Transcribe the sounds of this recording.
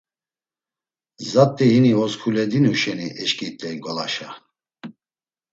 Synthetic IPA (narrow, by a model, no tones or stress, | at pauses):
zat̪ʼːiɦiniɔskʰulɛd̪inuʃɛniʔɛʃkʼit̪ʼɛiɡɔlaʃa